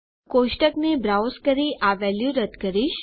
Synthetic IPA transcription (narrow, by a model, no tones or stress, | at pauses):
koʃʈəknebɾawskəɾiʔaʋɛljũɾəd̪kəɾiʃ